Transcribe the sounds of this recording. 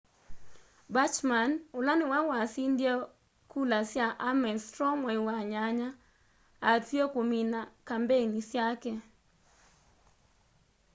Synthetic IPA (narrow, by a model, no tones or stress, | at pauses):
bat͡ʃmanʊlanɪwawasindjɛ | kulasjaʔamɛstɾɔmwɔiwaɲaɲa | atjokominakambenisjakɛ